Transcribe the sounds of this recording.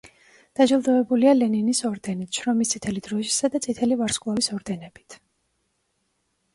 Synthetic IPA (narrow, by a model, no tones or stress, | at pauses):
d̪̥ad͡ʒilˠd̪ɔɛbulialɛninisɔɾd̪ɛnit̪ʰʃɾɔmist̪sʼit̪ʰɛlid̪ɾɔʃi̥sad̪at̪sʼit̪ʰɛlivaɾskʼlˠɔvisɔɾd̪ɛnɛb̥i̥t̪ʰ